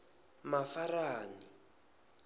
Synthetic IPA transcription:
mafaraːni

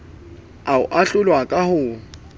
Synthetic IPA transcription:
aʊ̰ʔaɬʊlwakʼahʊ

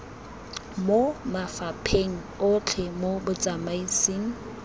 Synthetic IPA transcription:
momafapʰeŋ̩ʊt͡ɬʰɛmobʊt͡sʼamaisiŋ̩

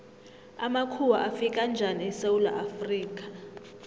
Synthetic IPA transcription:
amakʰuwaʔafikʼand͡ʒʱaniɛsewula̰ʔafriːk̬ʼa

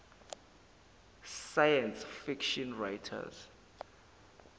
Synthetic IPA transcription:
sajɛ̃nsfikʃɔ̃nɹajtʰa̰z

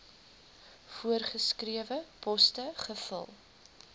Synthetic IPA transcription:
fuərχəskriəvəpɔstəχəfə̰lˠ

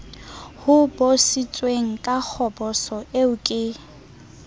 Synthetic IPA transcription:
hʊbosit͡sʼweŋ̩kʼak͡xʰɔbɔsɔʔeʊkʼɪ

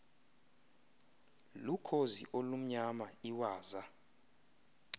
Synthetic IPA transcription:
lukʰozḭʔolum̩ɲamaiwaːza

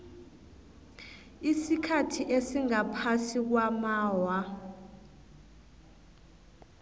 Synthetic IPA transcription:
isikʰatʰiʔesiŋapʰasik̬wamaːwa

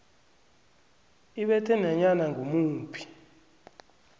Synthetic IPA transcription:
iɓɛtʰɛnɛɲanaŋɡʱomuːmpʰi̥

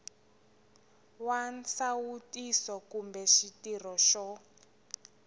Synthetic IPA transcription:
wansawutʼisɔkumbɛʃitirɔʃɔ

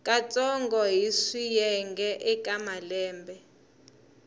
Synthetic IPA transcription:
kʼat͡sʼɔŋɡɔɦisijɛŋɡɛʔɛkʼamalɛːmbʱɛ

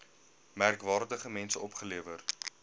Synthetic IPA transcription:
mærkvɑːrdəχəmɛnsəɔpχəliəvər

